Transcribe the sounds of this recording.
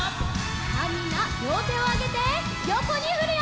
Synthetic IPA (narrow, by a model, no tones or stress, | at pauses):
aɾinamoːt̪eoaɡet̪e | jokoɲiɦɯɾɯ